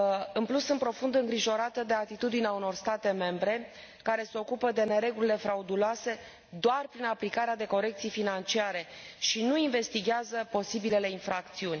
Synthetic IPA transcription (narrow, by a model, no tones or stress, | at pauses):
ɨnmplusːɨnpɾo̞fund̪ɨŋɡɾiʒo̞ɾat̪əd̪e̞at̪it̪ud̪ineauno̞rst̪at̪e̞me̞mbɾe̞ | kaɾe̞seo̞kupəd̪e̞ne̞ɾe̞ɡulile̞fɾaud̪uloase̞ | d̪oarpɾinaplikaɾead̪e̞ko̞ɾe̞k̚t̪sijfinant͡ʃiaɾe̞ʃinuinve̞st̪iɡʲeazəpo̞sibile̞le̞infɾak̚t̪siunʲ